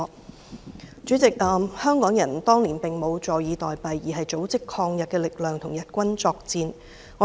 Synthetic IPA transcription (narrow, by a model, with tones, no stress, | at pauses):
t͡sy˨˥t͡sɪ˨k̚ʔɐː˨mhœː˥ŋkɔː˨˥ŋjɐ˨˩nt̪ɔː˥ŋliː˨˩npɪ˨ŋmo˨˧wt͡sɔː˨jjiː˨˧t̪ɔː˨jpɐ˨jiː˨˩ɦɐ˨jt͡so˨˥wt͡sɪ˨kʰɔː˧ŋjɐ˨t̚kɛː˧lɪ˨k̚lœː˨ŋt̪ʰʊ˨˩ŋjɐ˨t̚kʷɐ˥nt͡sɔː˧k̚t͡siː˧n | ŋɔː˨˧